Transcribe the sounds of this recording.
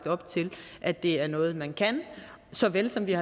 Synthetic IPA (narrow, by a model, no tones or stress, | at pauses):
d̥ɒ̽b̥̚t͡sʰe̝lʔæd̥e̝æɐnɔ̽ːð̩ˠmænkʰæn | sɒ̽ʋelsɒ̽mʋihɑ̈